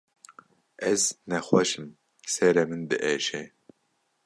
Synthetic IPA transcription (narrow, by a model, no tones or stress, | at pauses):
ɛznɛxʷɑʃɨm | sɛɾɛmɨnd̪ɨʔɛʃɛ